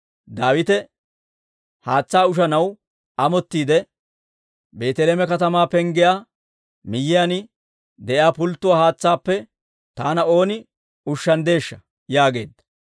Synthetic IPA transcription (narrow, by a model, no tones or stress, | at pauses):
d̪aːwɪt̪ɛ | haːt͡sːaːʊʃ̬ɐnɐw | ɐmɔt̪ːiːd̪ɛ | be̞ːt̪ɛleːmɛkɐt̪ɐmaːpɛŋɡɪjaː | mɪjːɪjanɪ | d̪ɛʔjaːpʊlt̪ːʊwaːhaːt͡sːaːpːɛ | t̪aːnɐo̞ːnɪ | ʊʃːɐnd̪e̞ːʃːɐ̥ | jaːɡe̞ːd̪ːɐ̥